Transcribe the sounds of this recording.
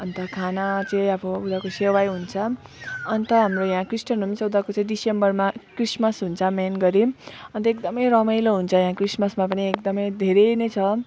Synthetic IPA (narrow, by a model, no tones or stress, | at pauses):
ʌnt̪ʌkʰanat͡saĩʌbʌud̪akosewajɦunt͡sʰʌʌnt̪ʌɦamrojãkrisʈʌnumisʌud̪akot͡sãĩɖisembʌrmakrismʌsɦunt͡sʰʌmenɡʌɾiʌnt̪ʌek̚d̪ʌmʌjɾʌmʌjloɦunt͡sʰʌjãkrismʌsmapʌniekd̪ʌmʌjd̪ʱeɾenet͡sʰʌ